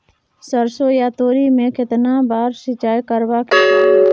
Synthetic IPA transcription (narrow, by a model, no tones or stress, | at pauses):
səɾsojat̪oːɾimẽkɪt̪nabaːɾsɪt͡ʃaːjkəɾbaki